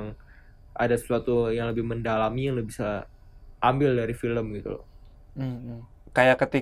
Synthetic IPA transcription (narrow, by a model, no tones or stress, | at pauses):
ŋ | ʔadasə̥suat̪ujaŋləbɪhməndalamijaŋləbisa | ʔambɪldaɾifiləmɡit̪ṵlɔ̰h | m̩ | kajakət̪i